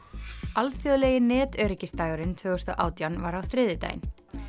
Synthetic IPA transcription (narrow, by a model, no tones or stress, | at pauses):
alfjœðlɛjɣɪnɛːt̪œːɾicɪst̪aːjɣʏɾɪnt̪ʰvœːɣʏst̪ɔ̰ʔa̰ːwt̪janvaɾawθɾɪðɪt̪a̰jɪ̰n